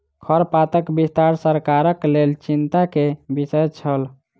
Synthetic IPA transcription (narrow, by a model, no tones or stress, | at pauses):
kʰəɾpat̪əkbist̪aɾsəɾkaɾəklelt͡ʃint̪akebisəjt͡ʃʰəl